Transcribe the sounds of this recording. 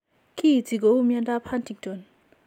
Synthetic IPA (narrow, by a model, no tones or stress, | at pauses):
kit͡siɡɔumjandapʰantʰik̚dɔn